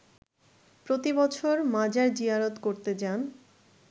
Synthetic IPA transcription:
pɾot̪ibɔt͡ɕʰoɾmãd͡ʑaɾd͡ʑiɦaɾot̪koɾt̪ed͡ʑan

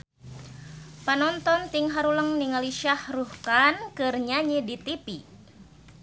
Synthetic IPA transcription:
panɔnt̪ɔnt̪iŋɦaɾuləŋniŋaliʃahruhkankɨrɲaɲidit̪ipi

